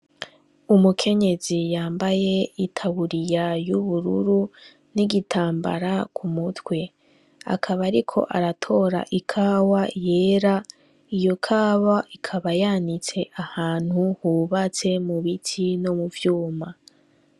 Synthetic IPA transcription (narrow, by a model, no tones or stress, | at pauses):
umukʰe̞ɲe̞zijaːmbaje̞itʰaβuɾijajuβuɾuɾu | niɡitʰaːmba̰ɾakʰumutwe̞ | a̰kʰaβaɾikʰo̞̰ʔaɾatʰo̞ɾa̰ʔikʰaːwaje̞ːɾa | ijo̞kʰaːβaʔikʰaβajanit͡se̞ʔahaːn̥huhuβat͡se̞muβitʰino̞muvjuːma